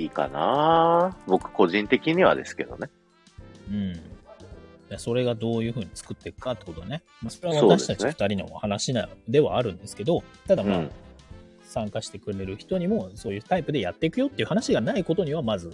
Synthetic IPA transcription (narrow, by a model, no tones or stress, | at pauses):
iːka̰naːbo̞kɯ̟̥ko̞ʑĩnt̪e̞kʲiɲ̟iβa̰d̪e̞sɨ̥ke̞d̪o̞̰ne | ɯ̟̃ɴ | jaso̞ɾe̞ɡad̪o̞ːjɯ̟ːɸɯ̟ːɲ̟it͡sɨ̥kɯ̟t̪ːe̞kɯ̟̥kat̪ːe̥ko̞t̪oɡ̪ane | maso̞ɾe̞aβaːt̪aɕi̥t̪at͡ɕifɯ̥t̪aɾʲino̞̰hanaɕinad̪e̞βa̰ːɾɯ̟̃nd̪e̞sɨ̥ke̞d̪o̞t̪ad̪amma | sãŋkaɕi̥t̪e̞kɯ̟ɾe̞ɾɯ̟çi̥t̪o̞ɲ̟imo̞so̞ːjɯ̟ːt̪aipɯ̟d̪e̞jat̪ːe̞ikɯ̟jo̞t̪ːeiɯ̟hanaɕiɡanaiko̞t̪o̞ɲ̟iβamazɨ